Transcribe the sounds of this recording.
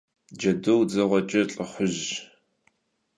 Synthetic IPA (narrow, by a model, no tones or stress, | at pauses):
d͡ʒɐdowd͡zɐʁʷɔt͡ʃʼɐɬʼɨχʷʊʑ